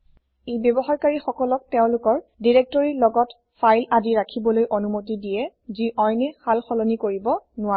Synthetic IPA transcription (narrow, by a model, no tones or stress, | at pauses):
ejbjɔbɔxaɹkaɹixɔkɔlɔk̚teʊ̃lʊkɔɹdiɹɛk̚tɔɹilɔɡɔt | fajladiɹakʰibɔlojʔonumotidijɛ | ziʔɔjnɛxalxɔlɔnikoɹibɔnʊa